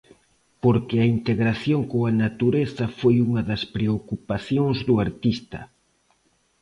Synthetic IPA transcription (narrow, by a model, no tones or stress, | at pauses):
poɾkɪɐint̪eɣɾaθjoŋkoɐnat̪uɾeθɐfojuŋɐðɐspɾeokupaθjoŋzðuaɾt̪ist̪ɐ̰